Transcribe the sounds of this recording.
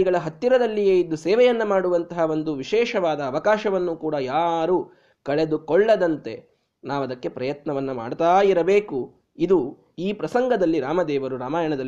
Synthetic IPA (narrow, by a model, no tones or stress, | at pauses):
iɡɐɭɐɦɐt̪ːiɾɐd̪ɐlːijeːid̪ːusɛːʋɛjɐnːɐmaːɽuʋɐnt̪ɐɦao̞nd̪uʋiʃɛːʃɐʋaːd̪ɐːʋɐkaːʃɐʋɐnːukuːɽɐjaːɾu | kɐɭe̞d̪ukɔɭːɐd̪ɐnt̪e̞ | naːʋɐd̪ɐkːe̞pɾɐjɐt̪nɐʋɐnːɐma̰ːɽt̪aːjiɾɐbeːku | id̪u | iːpɾɐsɐŋɡɐd̪ɐlːiɾaːmɐd̪ɛːʋɐɾuɾaːmaːjɐɳɐd̪ɐl